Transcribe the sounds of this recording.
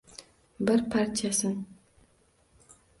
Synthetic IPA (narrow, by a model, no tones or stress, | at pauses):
bɪɾpʰartʰijasɨn